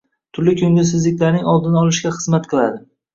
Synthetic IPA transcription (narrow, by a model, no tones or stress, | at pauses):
t̪ʰʊɾlɪkʰʲɵŋɡʲɪsɪzlɪkʲlaɾnɪŋɒlˠd̪ɪnɪɒlˠɪʃɡʲaχɨzmat̪qʰɨlˠad̪ɪ